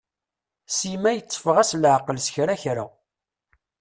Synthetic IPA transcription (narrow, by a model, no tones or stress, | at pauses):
simæjət͡sˤːfəʁæslʕqəlsçɾæçɾa̰